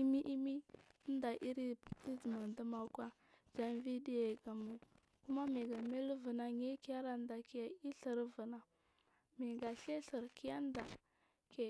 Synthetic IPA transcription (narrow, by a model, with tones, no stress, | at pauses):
i˦mi˦ʔi˦mi˦n˦da˨ʔi˦ɾi˦i˦zə˨ma˨n˨də˦ma˨kwa˦ | d͡ʒa˦nvi˦di˦je˨ɡa˨mu˨ | ku˦ma˦mi˨ɡa˨me˦lu˦və˨na˨ŋe˦ki˦a˦ɾa˨n˦da˨ki˦ja˦i˦ɬə˨ɾvə˨na˨ | mi˨ɡa˨ɬe˦ɬə˨ɾki˦ja˦n˦da˨ | ke˨